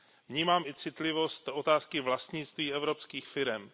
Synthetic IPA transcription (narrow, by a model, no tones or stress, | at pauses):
vɲiːmaːmɪt͡sɪt̪lɪvo̞st̪o̞t̪aːskɪvlast̪ɲɪt͡st̪viːɛvɾopskiːxfɪɾɛm